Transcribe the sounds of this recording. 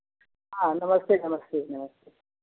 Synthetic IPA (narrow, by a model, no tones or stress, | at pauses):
ɦãnɐməst̪enɐməst̪enɐməst̪e